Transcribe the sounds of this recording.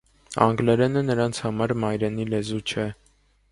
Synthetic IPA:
ɑŋɡlɛɾɛnənəɾɑnt͡sʰhɑmɑɾmɑjɾɛn̪ilɛzut͡ʃʰɛ

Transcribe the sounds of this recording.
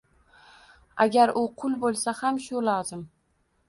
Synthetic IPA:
aɡʲaɾʔʊqʰʊlˠbolˠsahamʃʊlɒzɪm

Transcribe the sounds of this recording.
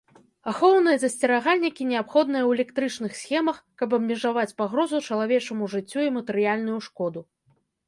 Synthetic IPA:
axɔwnɨjɐzɐsʲt͡sʲɛɾaɣalʲnʲikʲinʲɛapxɔd̪nɨjɐwɛlʲɛkt̪ɾɨt͡ʂnɨxsʲxʲɛmɐxkɐbɐbmʲiʐavat͡sʲpaɣɾɔzut͡ʂɐlˠavʲɛt͡ʂɐmuʐɨt͡sʲːuimɐt̪ɨɾɨjalʲn̪ujuʂkɔd̪u

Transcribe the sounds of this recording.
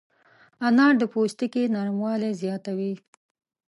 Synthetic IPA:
anɑɽd̪əpost̪ikenɑɾmwɑlezjɑt̪awi

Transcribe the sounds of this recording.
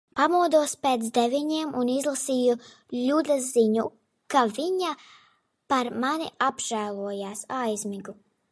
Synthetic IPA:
pamuɔd̪uɔspeːt̪sd̪evʲiɲiɛmʔunizlˠasiːju | lʲud̪aziɲu | kaviɲa | paɾmaniabʒ̥æːlˠuɔjaːsajzmiɡu

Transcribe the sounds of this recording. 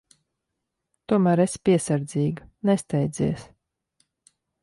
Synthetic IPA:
t̪uɔmæːɾespʲiɛsaɾd̪ziːɡanɛst̪ɛjd̪zḭɛs

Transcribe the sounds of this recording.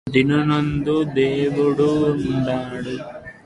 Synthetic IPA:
d̪inɐnond̪ud̪eːʋuɽuːɳɖaːɽu

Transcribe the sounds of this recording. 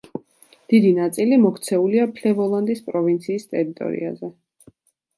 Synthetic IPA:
d̪̥id̪inat̪sʼilimɔkʰt̪sʰɛuliapʰlɛvɔlˠand̪ispʼɾɔvint̪sʰiːst̪ʼɛɾit̪ʼɔ̰ɾḭa̰zɛ

